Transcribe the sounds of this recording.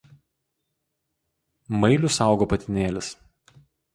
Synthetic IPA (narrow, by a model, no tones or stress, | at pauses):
mɐɪlʲʊsɑˑʊɡoːpɐt̪ʲɪnʲeːlʲɪs